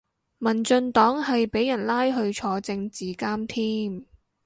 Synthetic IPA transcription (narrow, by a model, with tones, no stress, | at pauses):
mɐ˨˩nt͡ʃɵ˧nt̪ɔː˨˥ŋɦɐ˨jpe˨˥jɐ˨˩nlaː˥jɦɵ˧ɥt͡ʃʰɔː˧t͡sɪ˧ŋt͡siː˨kaː˥mt̪ʰiː˥m